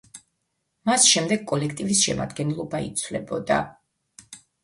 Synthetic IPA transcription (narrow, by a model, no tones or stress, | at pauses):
masʃɛmd̪ɛɡ̚kʼɔlɛkʰt̪ʼivisʃɛ̰ma̰d̪ɡɛnlˠɔbaḭt̪sʰvlɛbɔd̪a̰